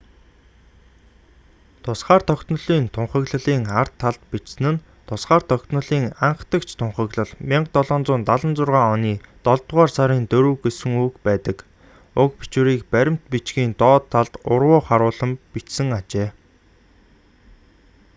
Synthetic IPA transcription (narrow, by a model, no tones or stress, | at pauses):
t̪ʰʊsχaːrt̪ʰɔkt̪nɞ̆ɮiːnt̪ʰʊɴχə̆ɣɮə̆ɮiːŋar̥t̪ʰːaɮt̪pit͡ɕsɘ̆nɘ̆n | t̪ʰʊsχaːrt̪ʰɔkt̪nə̆ɮiːŋaɴχt̪ə̆kt͡ɕʰt̪ʰʊɴχə̆ɣɮə̆ɮmiɴɢt̪ɔɮɔːnt͡sʊːnt̪aɮə̆nt͡sʊrʁaːɔniːt̪ɔɮt̪ʁaːrsaɾiːnt̪ɵɾɵ̆ːɡesɘ̆ŋukpæːt̪ə̆k | ʊkpi̥t͡ɕuɾiːkpæɾʲɪ̆m̥t̪pit͡ɕɡiːnt̪ɔːt̪ʰːaɮt̪ʊrwʊːχaɾʊːɮə̆mpit͡ɕsɘ̆ŋat͡ɕeː